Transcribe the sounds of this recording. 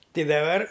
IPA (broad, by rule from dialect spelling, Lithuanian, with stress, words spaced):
ˈtʲɪ dɐˈbɐr